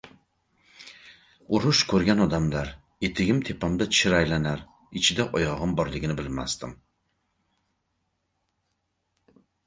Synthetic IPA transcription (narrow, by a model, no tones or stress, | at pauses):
ʊɾʊʃkʰɵɾɡʲanɒd̪amlaɾ | e̞t̪ʰɪɡʲɪmt̪ʰe̞pʰamd̪aɪɾajlanaɾ | ɪt͡ʃʰɪd̪aʔɒjɒʁɨmbɒɾlɪɡʲɪnɪbɪlma̰st̪ɪm